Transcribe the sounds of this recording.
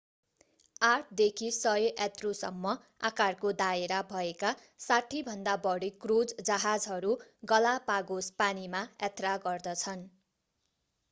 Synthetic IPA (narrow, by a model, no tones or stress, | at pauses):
aʈ̚ʰd̪ekʰisʌjoʔat̪rosʌ̰mːʌ | a̰karkod̪aeɾabʱʌeka | saʈʰibʱʌnd̪abʌɽikrod͡zd͡zʌɦad͡zɦʌɾuɡʌlapaɡospanimajat̪raɡʌrd̪ʌt͡sʰʌn